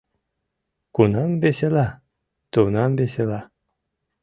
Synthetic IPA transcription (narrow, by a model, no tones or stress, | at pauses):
kunɑmbesela | t̪unɑmbesela